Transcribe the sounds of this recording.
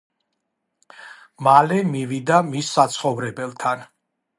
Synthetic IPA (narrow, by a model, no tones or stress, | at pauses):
malɛmivid̪amisːat̪sʰχɔvɾɛbɛlˠt̪ʰan